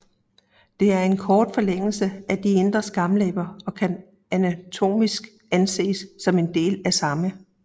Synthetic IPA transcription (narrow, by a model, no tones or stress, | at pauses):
d̥e̝æɐe̝nkʰɒːd̥fɒ̽leŋ̰l̩səæd̥ie̝nd̥ʁɐsɡ̥ɑ̈mlɛ̰ːb̥ɐɒ̽kʰæn | ænæt͡sʰo̝̰ːmisɡ̥ | ænse̝̰ːsːɒ̽me̝nd̥e̝̰ːlæsɑ̈mə